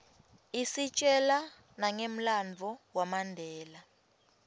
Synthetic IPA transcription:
isit͡ʃʼɛla | naŋem̩land͡vʱɔwamandʱɛːla

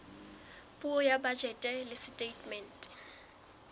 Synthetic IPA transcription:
pʼuɔjabad͡ʒɛtʼɛlɪsɪtʼetʼmɛntʼ

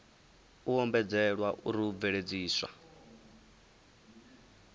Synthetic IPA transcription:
uɦɔmbɛd͡zɛɺwaʔuɾiub̪veɺed͡ziːswa̰

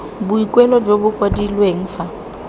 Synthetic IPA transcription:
bʊikʼwɛlɔd͡ʒobʊkʼwadilweŋ̩ːfa

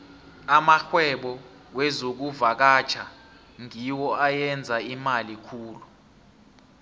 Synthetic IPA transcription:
amaxwɛɓɔ | wɛzok̬uvak̬at͡ʃʰa | ŋiwɔajɛnd͡zʱaimalikʰuːlu

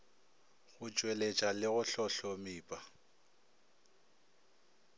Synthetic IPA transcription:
ɣʊt͡ʃʼwelet͡ʃʼalɪɣʊɬɔɬɔmiːpʼa

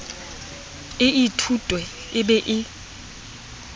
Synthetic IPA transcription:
ɪitʰutʼwɛ | ɪɓɛʔɪ

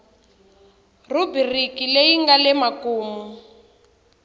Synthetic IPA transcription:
rubirikilejiŋɡalɛmakuːmu

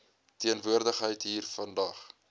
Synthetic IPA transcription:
tiənvuərdəχɦəjtɦiːrfɐndɐχ

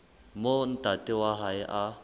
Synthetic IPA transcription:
mon̩t̪atewaɦajeʔa

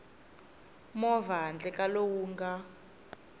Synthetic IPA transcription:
mɔvaɦand͡ɮɛkʼalowuːŋɡa

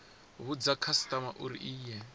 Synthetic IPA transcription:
βud͡zakʰastamaʔuɾḭʔiːjɛ

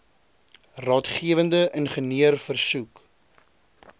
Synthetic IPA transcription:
rɑːtχiəvəndəʔənχəniərfərsuk

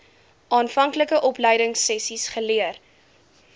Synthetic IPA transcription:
ʔɑːnfɐŋkləkəʔɔpləjdəŋsɛsisχəliər

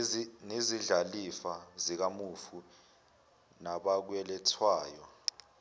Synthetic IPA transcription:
neziɮalifazik̬amufu | naɓak̬wɛlɛtʰwaːjɔ

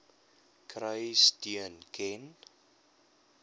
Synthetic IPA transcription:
kʰɾəjstiənkʰɛn

